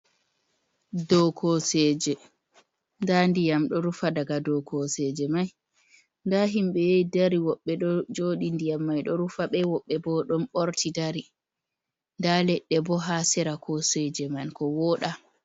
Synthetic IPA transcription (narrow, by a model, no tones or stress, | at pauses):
dɔkʰɔsɛd͡ʒɛ | ndandijamɗɔɾufadaɡadɔkʰɔsɛd͡ʒɛmaj | ndaɦimɓɛjejdaɾiwɔɓːɛɗɔd͡ʒoɗindijamːajɗɔɾufaɓɛwɔɓːɛbɔɗɔnɓoɾtʰidaɾi | ndalɛɗːɛbɔɦasɛɾakʰɔsɛd͡ʒɛmankɔwɔɗa